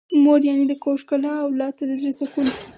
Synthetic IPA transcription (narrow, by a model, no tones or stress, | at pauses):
moɾjanid̪əkoʃkalɑːwlɑt̪ad̪əzɾesakul